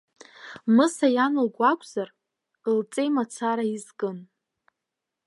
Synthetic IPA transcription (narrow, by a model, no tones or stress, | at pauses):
mɨsajanɨlɡʷakʷʰʼz̥ar | lt͡sʼejmat͡sʰaɾaizkʼɨn